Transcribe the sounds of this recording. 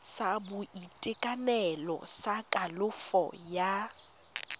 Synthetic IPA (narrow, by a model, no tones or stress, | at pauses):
sabʊitʼɪkʼanɛlɔ̰sakʼalʊfɔ̰ja